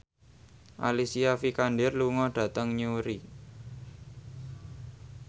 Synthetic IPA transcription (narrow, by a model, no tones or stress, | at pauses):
ʔa̰lisiafikanɖɪrluŋɔɖ̥ä̤t̪əŋɲuɾi